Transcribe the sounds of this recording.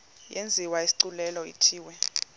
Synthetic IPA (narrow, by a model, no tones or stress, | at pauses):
jʔend͡zʱiwaisi̥ǀulɛlɔḭtʰiːwɛ